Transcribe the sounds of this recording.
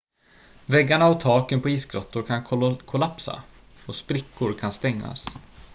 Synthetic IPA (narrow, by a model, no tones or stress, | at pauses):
vɛɡːaɳaɔt̪ʰɑːkənpɔiːsɡɾɔt̪ːʊɾkʰankʰkʰʊlapsa̰ | ɔspɾɪkːʊɾkʰanst̪ɛŋːa̰s